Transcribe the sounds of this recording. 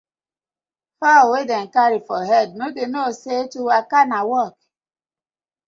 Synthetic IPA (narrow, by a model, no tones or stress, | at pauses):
fawedɛn̩kaɾifɔɦɛd̚noɡenosetuwakanawɔk̚